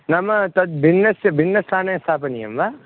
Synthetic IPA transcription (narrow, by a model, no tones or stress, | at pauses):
nɐmɐt̪ɐd̪̚bʱinːɐsɐbʱinːɐst̪ʰaːnɐst̪ʰaːpɐnijɐ̰mʋa